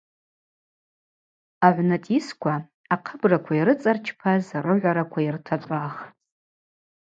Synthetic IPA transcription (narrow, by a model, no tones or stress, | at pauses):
aʕʷnatʼiskʷʰa | aqʰəbrakʷʰaiɾɨt͡sʼart͡ʃʰpʰazarɨʕʷaɾakʷʰairtʰat͡ʃʷʼaχ